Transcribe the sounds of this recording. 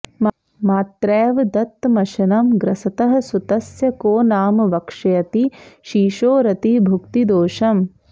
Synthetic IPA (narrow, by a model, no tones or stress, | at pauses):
m | maːt̪ɾɛːʋd̪ɐt̪mɐʃɐnɐmɡɾɐsɐt̪ɐɦɐ̆sut̪ɐsjɐkoːnaːmɐʋɐkʂɐjɐt̪iʃiːʃoːɾɐt̪ibʱukt̪id̪oːʃɐm